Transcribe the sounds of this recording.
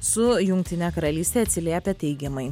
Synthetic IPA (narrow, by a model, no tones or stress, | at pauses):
sʊjʊŋʲk̚ʲt̪ʲɪnʲɛkɐɾɐlʲiːsʲt̪ʲeːɐt̪ʲsʲɪlʲiɛpʲɛt̪ʲɛɪɡʲɛmɐɪ